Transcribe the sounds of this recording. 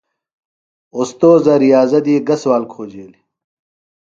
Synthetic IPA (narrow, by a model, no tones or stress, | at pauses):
ost̪oːzɐɾijaːzɐd̪iːɡɐswaːlkʰoːd͡ʑeːli